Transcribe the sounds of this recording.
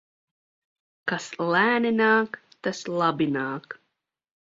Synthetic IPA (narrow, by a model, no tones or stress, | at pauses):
kaslæːninaːkt̪aslˠabinɑːk